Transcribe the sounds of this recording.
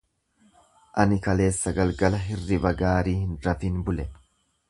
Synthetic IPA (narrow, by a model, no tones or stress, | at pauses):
ʔɐnɪkɐle̞ːsːɐɡɐlɡɐlɐɦɪrːɪbɐɡaːɾiːhɪnɾɐfinbʊlɛ